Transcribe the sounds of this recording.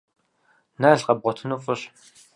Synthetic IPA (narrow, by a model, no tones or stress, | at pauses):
naːɮqɐb̚ʁʷɔtʰɨnufʼʊɕ